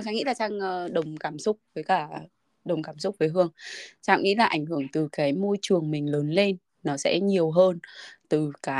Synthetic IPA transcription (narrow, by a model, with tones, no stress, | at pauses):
t͡ɕaː˧˨ŋḭ˧˥laː˨˩saː˧ŋː˧ɗə˨˩wŋ͡mkaː˧˩msʊ˦˥k͡p̚vəː˨˦jkaː˧˩ | ɗə˨˩wŋ͡mkaː˧˩msʊ˦˥k͡p̚vəː˨˦jɦɨ˧əŋsa̰ː˧˨wŋḭ˧˥laː˨˩ʔa˧˩jŋhɨ˧˩əŋt̪ɨ˨˩kaː˨˦jmo˧jt͡ɕɨ˨˩əŋmï˨˩ŋ̟ləː˨˦nle˧nː | ɔ˨˦sɛ̰˧˥ɲi˨˩əwɦəː˧nt̪ɨ˨˩kaː˨˦